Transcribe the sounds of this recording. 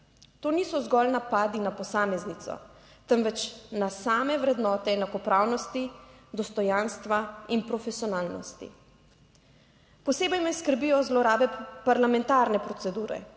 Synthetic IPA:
t̪oːniːsɔzɡɔlnapaːd̪inapɔsaːmɛznit̪sɔ̰ | t̪ɛnʋɛt͡ʃnasaːmɛʋɾɛd̪nɔːt̪ɛːnakɔpɾaːwnɔst̪id̪ɔst̪ɔjanst̪ʋainpɾɔfɛsiɔnaːlnɔ̰st̪ḭ | pɔseːbɛjmɛjskəɾbijɔzlɔɾaːbɛpaɾlamɛnt̪aːɾnɛpɾɔt̪sɛd̪uːɾɛ̰

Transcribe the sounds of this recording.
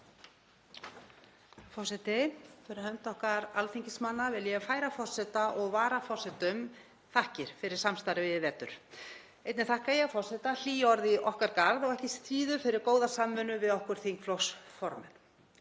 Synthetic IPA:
fɔr̥sɛt̪ɪθʰɛɾahœnt̪ɔhkaɾalfiɲcɪsmanːavɪljɛfaːjɾafɔr̥sɛt̪aʔɔɣvaːɾafɔrsɛt̪ʏm | θahcɪɾ̥fɪɾɪɾ̥samst̪aɾɪvɪðɛt̪ːʏ̰ɾ̥ | ejt̪nɪθahkajɛɣfɔr̥sɛt̪al̥iːjɔɾðɪʔɔhkaɾkaɾðɔɣɛhcɪst̪ɾiːðʏfɪɾɪɾkoːwðasamːœːnʏvɪðɔhkʏɾ̥θiŋkflɔwsfɔɾmɛ̰n̥

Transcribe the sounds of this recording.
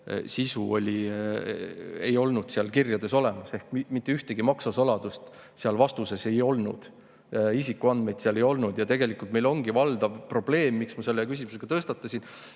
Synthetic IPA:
sisuo̞lʲi | e̞jo̞lnud̪̥seɑlkirjɑd̪e̞so̞le̞mɑse̞hkmimit̪ˑːe̞yht̪eɡ̥imɑksɑsolɑd̪̥ust̪ | seɑlvɑst̪use̞se̞jo̞lnṵd̪̥ | isikːˑuɑnd̪̥me̞jd̪̥seɑle̞jo̞lnud̪jɑt̪e̞ɡe̞likult̪me̞jlo̞ŋɡ̥ivɑld̪̥ɑvpro̞ble̞ːmːiksmɑse̞lːekys̬ʲimuseɡ̥ɑt̪ɤst̪ɑt̪ːˑɑsʲin

